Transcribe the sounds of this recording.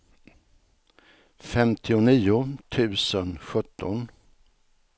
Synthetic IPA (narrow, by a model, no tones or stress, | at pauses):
fɛmt̪ʰɪʊniːʊt̪ʰʉ̟ːsənɧɵt̪ʰːɔn